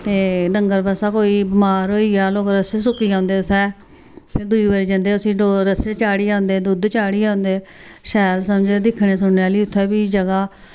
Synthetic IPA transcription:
t̪eːɖəŋɡəɾbəsaːkoːiːbəmaːɾɦoːiːaːloːkɾəsesʊkːiːãːnd̪eːʊt̪ʰːɛː | pʰɪɾd̪uiːbaːɾiːd͡ʒə̃ːnd̪eːʊsĩːoɾəset͡ʃaːɽiːãːʊnd̪eːd̪ud̪t͡ʃaːɽiːãːʊnd̪eː | ʃɛːlsəmd͡ʒed̪ɪkʰɳeːsʊɽneaːliːʊt̪ʰːɛːbiːd͡ʒəɡaː

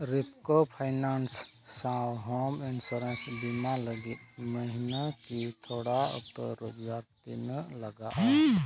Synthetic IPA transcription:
ɾipkopʰanansː | awɦominsuɾensbinaləɡiməɦinakit̪ʰoɽaə̰t̪ə̰ɾod͡ʒaɾt̪inələɡaʔ

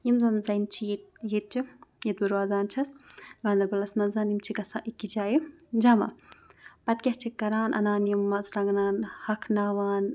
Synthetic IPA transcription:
jimzɐnzɐjnt͡ʃʰit̪̚jit̪̚t͡ʃʰijit̪̚buɾʋaːzaːnt͡ʃʰɐsɡaːnd̪ɐɾbɐlɐsmɐnzaːnimt͡ʃʰiɡɐsaːʔikːid͡ʒaːjid͡ʒamɐ̰pɐt̪̚kʲɐht͡ʃʰikːɐɾaːnʔɐ̰naːnjimːɐzɾɐŋɡnaːnhɐkʰnaːʋaːn

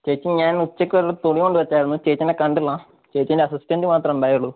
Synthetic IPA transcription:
t͡ɕeːt͡ɕːiɲaːnut͡ɕːɐkʲːɨʋɐɾut̪oɽijoɳɖɨʋet͡ɕːaːjiɾunːut͡ɕeːt͡ɕːɐnekɐɳɖilːɐ | t͡ɕeːt͡ɕːɐndeɐsistɐndɨmaːt̪rɐmbɐjuɭːu

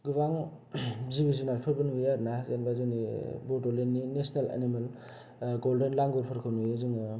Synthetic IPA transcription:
ɡɯbaŋ | zibizinaɾpʰɯɾbɯnujaɾnazenbazɯnḭbɔtolenːinesnelḛnimel | ɡoldenlaŋɡɔɾpʰɯɾkʰɯwnujazɯŋɯ

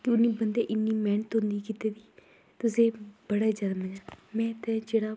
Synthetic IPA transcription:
kɪʊnĩːbənd̪eːʔɪnːiːmɛːɳət̪ɦʊ̃nd̪iːkɪt̪eːd̪iː | t̪ʊsẽːb̥əɽaːd͡ʒjaːd̪aːməɲaːmɛ̃ːt̪ɛːd͡ʒeːɽaː

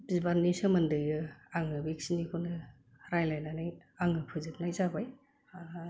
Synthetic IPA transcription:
bizibannːisɯmɐndɯjɯaŋɯbiksinikʰunɯ | ɾajlajnanɯjaŋɯpʰɯzɯp̚najzabaj

